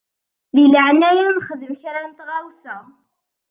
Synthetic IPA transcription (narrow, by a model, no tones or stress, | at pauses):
ðiləʕnæjænχəðəmçɾanət̪ʁæwsæ